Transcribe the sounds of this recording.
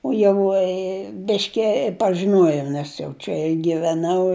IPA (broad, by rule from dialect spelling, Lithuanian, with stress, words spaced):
ʊ ˈjɛʊ ɪ ˈbʲɪʃʲkʲɪ pɐʒʲɪˈnuɔjɛʊ ˈnʲɛs jɛʊ t͡ʃʲɛ ɪ ɡʲɪʋʲɛˈnɐʊ